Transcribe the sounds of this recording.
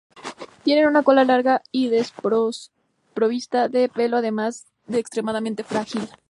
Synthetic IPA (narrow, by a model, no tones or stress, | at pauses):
t̪je̞ne̞nũnako̞lalaɾɣaiðes | pɾo̞βist̪aðe̞pe̞lo̞aðe̞maz | ðeːkst̪ɾe̞mað̞ament̪e̞fɾaxil